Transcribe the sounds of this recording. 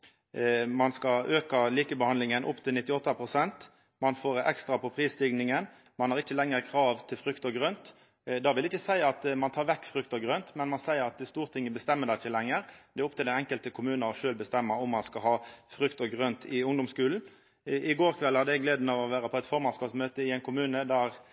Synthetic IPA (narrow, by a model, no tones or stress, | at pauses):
mɑnskɑøːkɑliːkəbəhɑnlɪŋənʔʊ̰pːt̪ʰɪlnɪt̪ːɪɔt̪ːɑpʰʁʊsɛnt̪ | mɑnfoːʁɛ̰kst̪ʁɑpʰɔpʰʁiːst̪ɪɡnɪŋən | mɑnhɑːʁɪt͡ʃːəlɛŋəʁkʰɾɑːʋt̪ʰɪlfɾʉkt̪ɔɡʁœnt̪ | d̪ɑːʋɪlɛɪçəsæɪɑt̪mɑnt̪ʰɑːʁʋɛkːfɾʏkt̪ɔɡʁœnt̪mɛnmɑnsæɪəɾɑt̪st̪uːʁt̪ʰɪŋːəbəst̪ɛmːəd̪ɛɪçːəlɛŋːəɾd̪ɛɔp̚t̪ɪlæɛŋkəlt̪əkʰʊmʉːnəɾɔʃøːlbəst̪ɛmːɑʊmːɑnskɑhɑːfɾʏkt̪ɔɡʁœnt̪ʰɪʊŋd̪ʊmskʉːln̩ | ʔɪɡoːʁkʰʋɛlhɑd̪əjɛɡleːd̪nɑʋɔʋæːɾəpʰɔɛt̪fɔʁmɑnskɑːpsmøːt̪əɪɛɪnkʰʊmʉːnəd̪æɾ